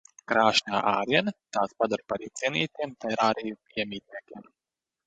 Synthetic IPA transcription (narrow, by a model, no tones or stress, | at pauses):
kɾaːʃɲaːʔaːɾiɛnt̪aːspad̪aɾpaɾiːt̪siɛnʲiːt̪iɛmt̪ajɾaːɾɛju | iɛmʲiːt̪̚ʲniɛkʲiɛm